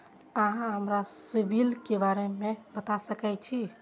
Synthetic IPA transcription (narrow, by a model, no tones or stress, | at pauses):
əɦãɦəmɾasibʱilkebaɾemẽbət̪asəkɛt͡ʃʰi